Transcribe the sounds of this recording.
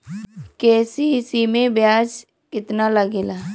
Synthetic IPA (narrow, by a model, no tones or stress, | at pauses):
kɛːsiɦɪsimẽbjaːd͡ʒ | kɪt̪naləɡeːlaː